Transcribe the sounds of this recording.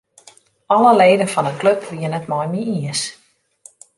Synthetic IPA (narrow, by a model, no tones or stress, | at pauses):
ɔləleːdəfɔnəkløpʰʋiənətmɔjmiiəs